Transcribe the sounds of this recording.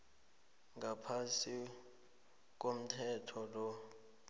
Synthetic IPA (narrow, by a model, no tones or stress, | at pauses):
ŋʱapʰasi | k̬ʼom̩tʰɛtʰɔlɔ